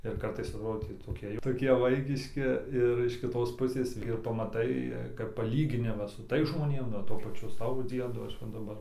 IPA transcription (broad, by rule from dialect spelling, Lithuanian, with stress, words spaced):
ɪr ˈkɐrtɐɪs ɐtˈroːdʲeː tʲiː toːˈkʲiɛ jɛʊ toːˈkʲiɛ ˈʋɐɪkʲɪʃʲkʲɪ ɪr ɪʃ kʲɪˈtoːs ˈpʊsʲeːs ɪr pɐmɐˈtɐɪ kɐp pɐˈlʲiːɡʲɪnʲɪmɐs sʊ ˈtɐɪs ʒmoːˈnʲeːm nʊ oː ˈtuɔ pɐˈt͡ʃʲʊ ˈsɑːʋoː ˈd͡zʲiɛdoː ˈɐʃ ˈʋɐ dɐˈbɐr